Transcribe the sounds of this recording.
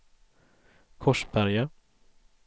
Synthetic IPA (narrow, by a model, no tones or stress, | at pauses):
kʰɔʂpʰæɾja